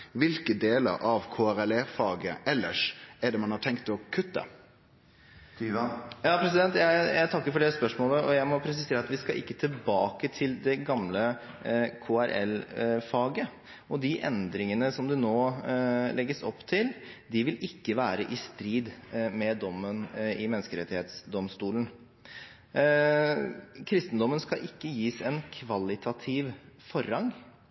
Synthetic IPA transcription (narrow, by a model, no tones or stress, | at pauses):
ʋɪlkəd̪eːlə̰ɾʔɑʋkʰoːæɾɛlɛfɑːɡəɛlːəʂɛɖɛmɑnhɑʈʰɛŋkt̪ɔkʰʉt̪ːə̰ | jɑːpʰɾɛs̬ɪd̪ɛnt̪jæɪjæɪt̪ʰɑkːəɾfɔɖɛːspœʂmoːləʔɔjæɪmɔpʰɾɛs̬ɪseːɾɑt̪ʋɪskɑʔɪ̰kːət̪ʰɪlbɑːkət̪ʰɪld̪ɛɡɑmlə | kʰoːæɾʔɛ̰lfɑːɡə | ɔd̪ɪʔɛ̰nd̪ɾɪŋənəsɔmd̪ɛnoːlʔɛɡːəsɔpːt̪ʰɪld̪ɪʋɪlɪkːəʋæːɾəʔɪst̪ɾiːd̪mɛd̪ɔmːənɪmɛnəskəɾɛt̪ːɪheːt̪sd̪ɔmst̪uːlən̩ | kʰɾɪst̪ənd̪ɔmːənskɑʔɪkːəjiːsɛnkʰʋɑlɪt̪ʰɑt̪ʰɪʋfɔɾːɑŋ